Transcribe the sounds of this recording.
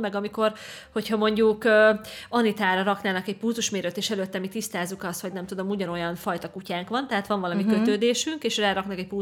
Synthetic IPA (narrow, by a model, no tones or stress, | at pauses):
mɛɡɒmiko̞rho̞chɒmo̞ɲɟukøːɒnit̪aːɾɒɾɒknaːnɒkɛɟ̚puːzuʃmeːɾøt̪ːeːʃɛløːt̪ːɛmit̪ist̪aːzːukɒst̪ho̞ɟnɛmt̪ud̪o̞muɟɒno̞jɒnfɒjt̪ɒkucaːŋkʋɒnt̪ɛɦaːt̪ʋɒɱvɒlɒmikøt̪øːd̪eːʃyŋkeːʃraːɾɒknɒkɛc̚pu